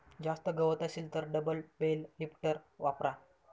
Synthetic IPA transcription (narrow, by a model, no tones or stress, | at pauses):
d͡ʑast̪əɡəʋət̪əsilt̪əɾɖəbəlbellipʈəɾʋapɾa